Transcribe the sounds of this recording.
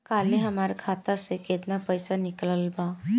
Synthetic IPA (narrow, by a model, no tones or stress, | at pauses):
kaleɦəmaɾkʰat̪aseket̪napəjsanikləlba